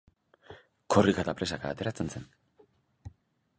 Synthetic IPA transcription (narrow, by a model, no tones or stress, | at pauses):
kʰo̞rikat̪apɾe̞saka̰ːt̪e̞ɾat͡se̞nse̞n